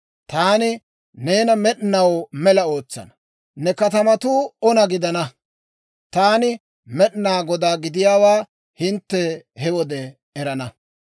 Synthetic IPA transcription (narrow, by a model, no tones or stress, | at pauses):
t̪aːnɪ | ne̞ːnɐmɛɗnɐwmɛlɐo̞ːt͡sːɐ̰nɐ̥ | nɛkɐt̪ɐmɐt̪uːɔnɐɡɪd̪ɐnɐ | t̪aːnɪ | mɛɗnaːɡɔd̪aːɡɪd̪ɪjaːwaː | hɪnt̪ːɛhɛwɔd̪ɛː | ɾɐnɐ